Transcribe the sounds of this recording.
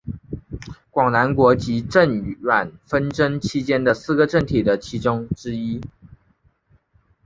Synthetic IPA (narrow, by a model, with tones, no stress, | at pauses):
kwɑ˨˩ŋna˧˥nkwɔ˧˥t͡ɕi˧˥ʈ͡ʂə˥˩nɥa˨˩nfə˥nʈ͡ʂə˥nt͡ɕʰi˥t͡ɕjɛ˥nd̪ə˨sɹ̩˥˧˩ɡə˨ʈ͡ʂə˥˩nt̪ʰi˨˩d̪ə˦t͡ɕʰi˧˥ʈ͡ʂʊ˥ŋʈ͡ʂɻ̩˥i˥